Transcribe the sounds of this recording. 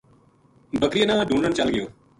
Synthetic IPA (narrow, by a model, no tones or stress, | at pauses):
bəkɾɪjənaːɖʱũːɳɖəɳt͡ʃəlɡɪjoː